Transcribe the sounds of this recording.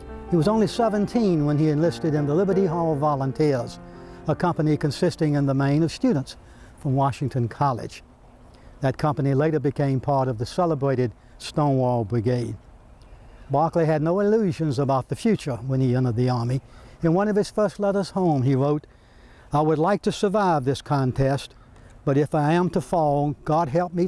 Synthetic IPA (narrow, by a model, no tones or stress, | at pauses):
hiwʌzõʊ̃nlisɛvɨ̃ntʰĩnwə̃niɨ̃nlɪstɨɾɨ̃nðəlɪbə˞ɾiɦɔlˠvɑlˠə̃ntʰɪɹzəkʰʌ̃mpɨnikɨ̃nsɪstɪ̃ŋɨ̃nðəmẽɪ̃nʌv̥stʉdⁿn̩ts | fɹʌ̃mwɑʃɪ̃ŋtʰɨ̃nkʰɑlˠɪ̰̥d͡ʒ̥ | ðɨt̚kʰʌ̃mpɨnileɪɾə˞bɨkʰẽɪ̃mpʰɑɹɾʌvðɨsɛlˠəbɹeɪɾɨd̚ | stõʊ̃nwɔlˠbɹɨɡeɪd̥̚ | bɑɹkliɨdⁿnoʊɨlʉʒɨ̃nzəbaʊt̪̚ðɨfjʉt͡ʃə˞wə̃niɛ̃nəd̪̚ðiɑɹmiɨ̃nwʌ̃nʌv̥ɨz̥fɜ˞stˡlɛɾə˞z̥hõʊ̃miɹoʊɾ | aɪwədˡlaɪk̚tʰɨsə˞vaɪvðɪskʰɑ̃ntʰɛst | b̥ʌɾɨfaɪə̃mtʰəfɑlˠoʊɡ̥ɑd̚ɦɛlˠp̚mi